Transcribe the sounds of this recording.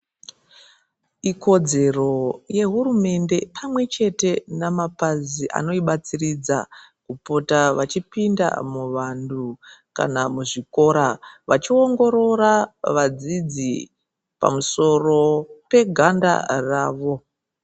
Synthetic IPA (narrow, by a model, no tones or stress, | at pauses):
iko̞d͡ze̞ro̞je̞ɦurume̞nde̞pʰamwe̞t͡ʃe̞te̞namapaziʔa̰no̞iɓat͡sirid͡za̰kupo̞taʋat͡ʃipinda̰muʋanduka̰namuʐiko̞ɾaʋat͡ʃio̞ŋɡo̞ɾo̞ɾaʋad͡zid͡zḭ | pa̰muso̞ro̞pe̞ɡʱanda̰raːʋo̞